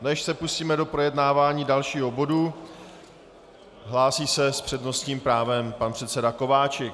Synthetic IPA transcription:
nɛʃsɛpusiːmɛdo̞pɾo̞jɛdnaːvaːɲiːdalʃiːɦo̞bo̞du | ɦlaːsiːsɛspr̝̥ɛdno̞stɲiːmpɾaːvɛmpanpr̥ɛt̪sɛdako̞vaːt͡ʃɪk

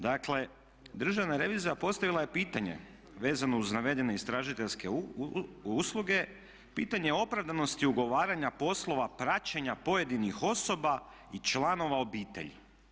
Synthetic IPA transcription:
d̪akle̞ | d̪r̩ʒaʋnaɾe̞ʋiːzijapo̞st̪aʋilaje̞piːt̪aɲe̞̰ | ʋe̞ːzano̞uznaʋe̞d̪e̞ne̞ist̪ɾaːʒit̪e̞ʎske̞ | uslˠuɡe̞ | piːt̪aɲeo̞pɾaʋd̪ano̞st̪iuɡo̞ʋaːɾaɲapo̞slˠo̞ʋapɾat͡ɕeɲapo̞je̞d̪inixo̞so̞ba | it͡ʃlˠano̞ʋao̞biːt̪e̞̰ʎḭ

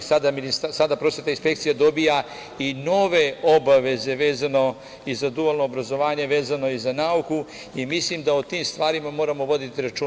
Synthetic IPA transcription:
sad̪aminist̪asad̪apɾosʋe̞t̪ainspe̞kt̪sijad̪o̞bija | ino̞ʋe̞o̞baʋe̞ze̞ʋe̞ːzano̞ | izad̪ualnoːbɾazo̞ʋaːɲe̞ʋe̞ːzano̞izanauku | imislimd̪aot̪iːmst̪ʋaːɾimamo̞ːɾamo̞ʋo̞d̪it̪iɾat͡ʃu

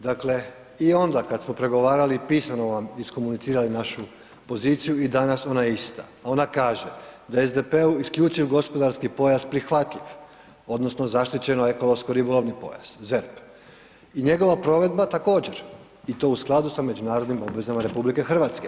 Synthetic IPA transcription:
d̪akle̞ | io̞nd̪akad̪smo̞pɾe̞ɡo̞ʋaːɾalipiːsano̞ʋamisko̞munit̪iːɾalinaʃu | po̞zit̪sijuid̪anaso̞naist̪a̰ao̞nakaːʒe̞d̪aezd̪e̞pe̞uiskʎʲut͡ʃiʋɡo̞spo̞d̪aɾskipo̞jaspɾixʋat̪ʎiʋ | o̞d̪no̞sno̞zaʃt̪it͡ɕe̞noe̞ko̞loskoɾibolˠo̞ʋnipo̞̰ja̰z̥zeɾp | iɲe̞ɡo̞ʋapɾo̞ʋe̞d̪bat̪ako̞ːd͡ʑe̞ɾ | it̪o̞ːusklˠad̪usame̞d͡ʑunaːɾo̞d̪nimo̞bʋe̞zamaɾe̞publike̞xr̩ʋat̪ske

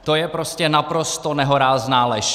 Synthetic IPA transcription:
t̪o̞jɛpɾoscɛnapɾo̞st̪o̞nɛɦoɾaːznaːlɛʃ

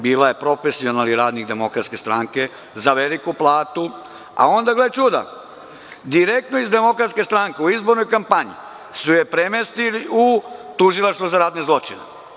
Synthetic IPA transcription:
biːlaje̞pɾo̞fesio̞naliɾaːd̪nikd̪e̞mo̞kɾat̪ske̞st̪ɾaŋke̞ | zaʋelikuplˠaːt̪u | a̰o̞nd̪aɡlet͡ʃuːd̪a̰ | d̪iɾek̚t̪noizd̪e̞mo̞kɾat̪skest̪ɾaŋkeuizboɾnojkampaɲḭ | sujepɾemest̪iliut̪uʒilˠaʃt̪ʋuzaɾaːd̪nezlˠo̞t͡ʃine

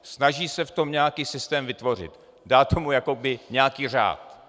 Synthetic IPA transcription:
snaʒiːsɛft̪o̞mɲɛakiːsɪst̪ɛːmvɪt̪vo̞r̝ɪ̰t̪ | daːt̪o̞mujakobɪɲɛakiːr̝a̰ːt̪

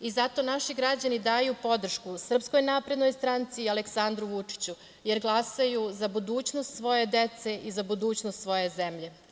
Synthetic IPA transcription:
izat̪o̞naʃiɡɾad͡ʑanid̪aːjupo̞d̪r̩ʃkusr̩psko̞jnaːpɾed̪nojst̪ɾant̪sialeksand̪ɾuʋut͡ʂi̥t͡ɕu | jeɾɡlˠasajuzabud̪uːt͡ɕnost̪sʋo̞je̞d̪e̞t̪seʔizabud̪uːt͡ɕnost̪sʋo̞je̞ze̞mʎe̞

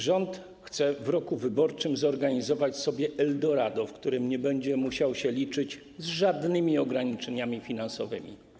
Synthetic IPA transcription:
ʐɔnt̪ | xt̪sɛvɾɔkuvɘbɔɾt͡ʂɘmzɔɾɡaɲizɔvat͡ɕsɔbʲjɛʔɛld̪ɔɾad̪ɔfkt̪uɾɘmɲɛbɛɲd͡ʑɛmuɕawɕɛlʲit͡ʂɘt͡ɕ | zʐad̪nɘmʲiɔɡɾaɲit͡ʂɛɲamʲifʲinansɔvɘ̰mʲḭ

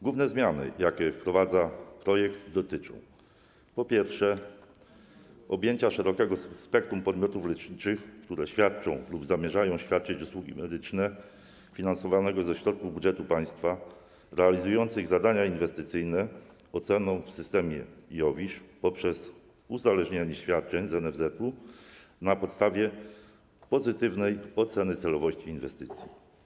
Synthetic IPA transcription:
ɡwuvnɛzmʲjanɘ̰jakʲɛfpɾɔvad̪zapɾɔjɛɡd̪d̪ɔt̪ɘt͡ʂɔ̰̃w̃ | pɔpʲjɛɾfʂɛ | ɔbʲjeɲt͡ɕaʂɛɾɔkɛɡɔspɛk̚t̪ɾumpɔd̪mʲɔt̪uflɛt͡ʂɲit͡ʂɘxkt̪uɾɛɕfʲjat̪̚t͡ʂɔ̃w̃lubzamʲjɛʐajɔ̃w̃ɕfʲjat̪̚t͡ʂɘt͡ɕuswuɡʲḭmɛd̪ɘt͡ʂnɛ | fʲinansɔvanɛɡɔzɛɕɾɔt̪̚kuvbudʐɛt̪upaj̃st̪fa | ɾɛalʲizujɔnt̪sɘɣzad̪aɲainvɛst̪ɘt̪sɘjnɛ | ɔt̪sɛnɔ̃w̃fsɘst̪ɛmʲjɛjɔvʲiʂpɔpʂɛz | uzalɛʐɲaɲɛɕfʲjat̪̚t͡ʂɛɲzɛnɛvzɛt̪u | napɔt̪st̪avʲjɛ | pɔzɘt̪ɘvnɛjɔt̪sɛnɘt̪sɛlɔvɔɕt͡ɕiːnvɛst̪ɘt̪sʲji

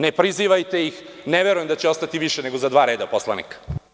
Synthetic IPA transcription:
nepɾiziʋajt̪e̞jixneʋeɾujemd̪at͡ɕeo̞st̪at̪iʋiʃene̞ɡo̞zad̪ʋaːɾe̞ːd̪apo̞sla̰nḭkḁ

